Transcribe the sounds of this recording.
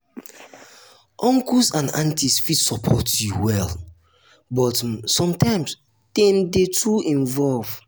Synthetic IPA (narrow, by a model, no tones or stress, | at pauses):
ʔɔ̃ŋkusãnãntʰisfidsɔpʰɔtjuwɛlˠ | bɔtsɔ̃mtʰãɪ̃ms | tẽndetʰuĩnvɔlv